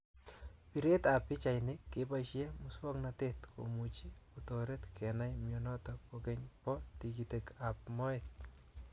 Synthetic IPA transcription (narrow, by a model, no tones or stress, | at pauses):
piɾet̪apɪt͡ʃajnɪkːepajʃjemʊswɔknatet̪kʰo̰mut͡ʃiutoɾet̪kʰɛnajmjɔnɔtɔkokeɲpɔtikitekap̚mɔet̚